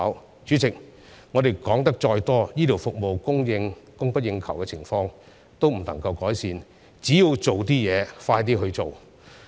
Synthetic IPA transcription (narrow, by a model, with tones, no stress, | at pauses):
w | t͡syː˨˥t͡sɪ˨k̚ | ŋɔː˨˧t̪e˨jkɔː˨˥ŋt̪ɐ˥k̚t͡ʃɔː˧jt̪ɔː˥jiː˥t̪ʰi˨˩wfʊ˨k̚mo˨wkʊ˥ŋjɪ˧ŋkʊ˥ŋpɐ˥t̚jɪ˧ŋkʰɐ˨˩wkɛ˧t͡sʰɪ˨˩ŋfɔː˧ŋ | t̪o˥wm̩˨˩nlɐ˨˩ŋkɐ˧wkɔː˨˥jsiː˨˧n | t͡siː˨˥jiː˧wt͡so˨wt̪̬iː˥jɛː˨˧faː˧jt̪iː˥ɦɵ˧ɥt͡so˨w